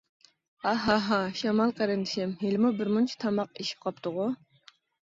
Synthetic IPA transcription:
ɑɦɑɦɑʃɑmɑlˠqʰæɾɪnd̪ɪʃɪmɦelɪmubɪɾmunt͡ʃʰi̥t̪ʰɑmɑqeʃi̥p̚qʰɑpt̪ʊʁʊ

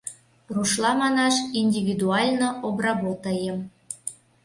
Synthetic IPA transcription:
ruʃlɑmɑnɑʃinʲdʲiβʲid̪uɑlʲnoʔobrɑβot̪əjəm

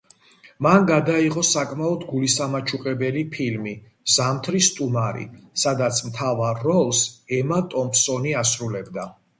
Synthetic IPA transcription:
manɡad̪aiʁɔsakʼmaɔd̪ɡulisamat͡ʃʰuqʼɛbɛlipʰilmi | z̥amt̪ʰɾist̪ʼumaɾḭsad̪at̪sʰmt̪ʰavaɾːɔlˠsɛmat̪ʼɔmpsɔniasɾulɛbd̪a

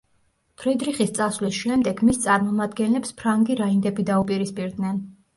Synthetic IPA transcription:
t̪ʰɾid̪ɾiχist̪sʼasvlisʃɛmd̪ɛɡmist̪sʼaɾmɔmad̪ɡɛnlɛpspʰɾaŋɡiɾaind̪ɛbid̪aupʼiɾispʼiɾd̪nɛn

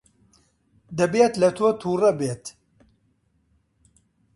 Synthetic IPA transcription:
d̪ɐbeːt̪lɐt̪ʰot̪ʰuːrɐbeːt̪

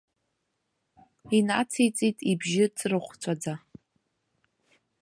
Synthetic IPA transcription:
inat͡sʰejt͡sʼitʼibʒɪt͡sʰʼrɨχʷt͡sʷʰad͡za

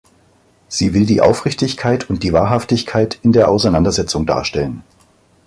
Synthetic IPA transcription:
z̥iːvɪldiːʔa̰ʊfʁ̥ɪçtɪçkʰaɪtʰʊnt̚d̥iːvaːɐɦaftɪçkʰaɪtɪndeːɐʔaʊsaɪnandɐzɛt͡sʊŋda̰ːɐʃtɛlən

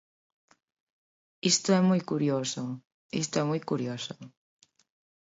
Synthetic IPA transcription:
ist̪oɛmujkuɾjoso | ḭst̪oɛmujkuɾjosʊ

